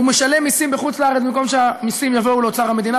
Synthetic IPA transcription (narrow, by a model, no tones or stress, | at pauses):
umeʃalemːisimbeχut͡sleaʁet͡ssmimko̞mʃeamisimjavo̞ulot͡saʁame̞d̪ina